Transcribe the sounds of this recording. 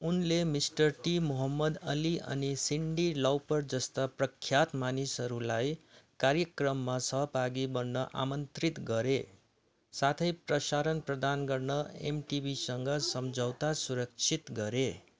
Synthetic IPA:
unlemisʈʌrʈimuɦʌmːʌd̪ʌ̰liʔʌ̰nisiɳɖilawpʌrd͡zʌst̪aprʌkʰːjat̪manisɦʌɾulajkaɾjʌkrʌmːasʌɦʌpaɡibʌnːʌʔa̰mʌnt̪rit̪ɡʌɾe | sat̪ʰʌjprʌsaɾʌnprʌd̪anɡʌrnʌḛmʈibʱisʌŋɡʌsʌmd͡zʱʌwt̪asuɾʌk̚t͡sʰit̪ɡʌɾe

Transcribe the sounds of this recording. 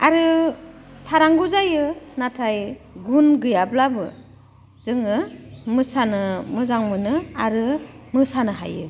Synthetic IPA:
aɾɯ | tʰaɾaŋɡuzajɯnatʰajɡunɡɯjablabɯ̰ | z̥ɯŋɯmɯsanɯmɯzaŋmɯnɯaɾɯmɯsanɯɦa̰jɯ̰

